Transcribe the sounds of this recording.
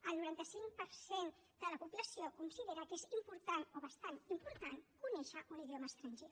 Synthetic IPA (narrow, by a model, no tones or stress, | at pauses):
əlˠnuɾant̪əsiŋpəɾsen | d̪̥ələpupləsiokunsiðeɾəkezimpuɾt̪anoβəst̪animpuɾt̪ankunɛʃəʔuniðioməst̪ɾənʲʒe